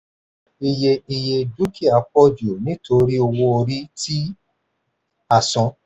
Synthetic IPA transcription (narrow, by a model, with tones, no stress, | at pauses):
i˧je˧i˧je˧du˦ki˦˨a˨˦k͡pɔ˦d͡ʒi˨o˨nĩ˦tʰo˧ɾi˦o˧wo˧˦o˧ɾi˦tʰi˦ | a˦˨sɔ̃˧˦